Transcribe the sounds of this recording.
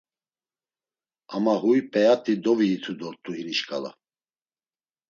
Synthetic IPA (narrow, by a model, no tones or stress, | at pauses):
amaɦujpʼɛat̪ʼid̪ɔviːt̪ʰud̪ɔɾt̪ʼuhiniʃkʼala̰